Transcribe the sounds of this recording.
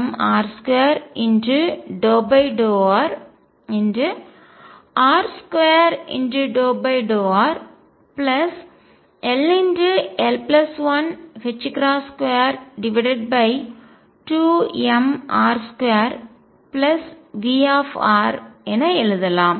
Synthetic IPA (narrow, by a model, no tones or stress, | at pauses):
maːɾskeɾɪndrɯɖoːbɐɪɖoːaːɾ | ɛndrɯ | aːɾskʋeɐɾɪ̰ndɾɯɖoːbɐɪɖoːaːɾ | plɐs | ɛlːɪndrɯɛlplɐsʋɐnhɛt͡ʃːikɾaːskʋeɐɾɖɪʋɪɽɛɖ̚bɐɪ | ʈuːɛmʔaːɾskeɾ | plɐsʋiːaːfaːɾɛnːɐɛɻɯðɐlãːm